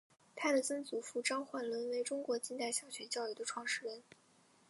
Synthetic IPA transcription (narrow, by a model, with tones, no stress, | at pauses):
t̪ʰa˥d̪ə˨t͡sə˥nt͡su˧˥fu˥˩ʈ͡ʂɑ˥ŋxwa˥˩nlə˧˥nwe˧˥ɪʈ͡ʂʊ˥ŋkwɔ˧˥t͡ɕi˥nt̪a˥˩ɪɕjɑ˨˩ʊɕɥɛ˧˥t͡ɕjɑ˥˧ʊy˥˩d̪ə˩ʈ͡ʂʰwɑ˥˧ŋʂɻ̩˥˩ɻə˧˥n